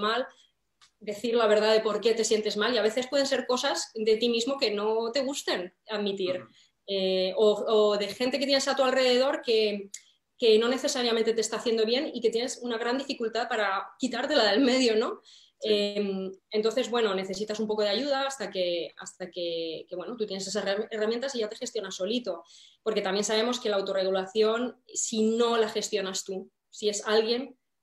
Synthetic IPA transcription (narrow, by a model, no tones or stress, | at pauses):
mal | d̪e̞θiɾlaβ̞e̞ɾðaðe̞po̞ɾke̞t̪e̞sje̞nt̪e̞zmaliaβeθe̞spweð̞ense̞ɾko̞sazd̪e̞t̪imizmo̞ke̞no̞t̪e̞ɣ̞ust̪e̞n | aðmit̪iɾ | eooðe̞xe̞nt̪e̞ket̪jenesat̪ualre̞ðe̞ð̞o̞ɾke̞ | ke̞no̞ne̞θe̞saɾjament̪e̞t̪est̪aθje̞nd̪o̞βje̞nike̞t̪je̞ne̞sunaɣ̞ɾand̪ifikult̪aðpaɾakit̪aɾt̪e̞laðe̞lme̞ðjo̞no̞ | eme̞nt̪o̞nθe̞zβwe̞no̞ne̞θe̞s̬it̪asumpo̞ko̞ðeaʝuð̞aːst̪ake̞a̰st̪ake̞ke̞βwe̞no̞t̪ut̪jeese̞s̬aeramjent̪asiʝat̪e̞xe̞st̪jo̞naso̞lit̪o̞po̞ɾke̞t̪amje̞nsaβ̞e̞mo̞ske̞laːwt̪o̞re̞ɣ̞ulaθjo̞nsino̞laxe̞st̪jo̞nast̪u | sie̞salɣje̞n